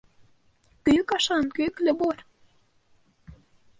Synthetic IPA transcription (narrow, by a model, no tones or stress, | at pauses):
køkɑʃɑnkøklʲəboɾ